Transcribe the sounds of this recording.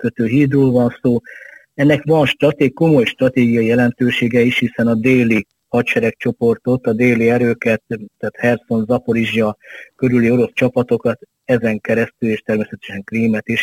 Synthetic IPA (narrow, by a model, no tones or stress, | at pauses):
køt̪øːɦiːd̪roːlvɒnsoː | ɛnːɛkʋɒnʃt̪rɒt̪eːko̞mo̞jʃt̪rɒt̪eːɡijɒjijɛlɛnt̪øːʃeːɡɛiʃhisɛnɒd̪eːli | hɒt̪ʃɛɾɛk̚t͡ʃo̞po̞rt̪o̞t̪ːɒd̪eːliɛɾøːkɛt̪ːaːt̪hɛrt̪so̞nzɒpo̞ɾiʒjɒkø̞ɾylio̞ɾo̞st͡ʃɒpɒt̪o̞kɒt̪ | ɛzɛŋkɛɾɛst̪yleːʃt̪ɛrmeːsɛt̪ɛʃɛŋkriːmɛt̪iʃ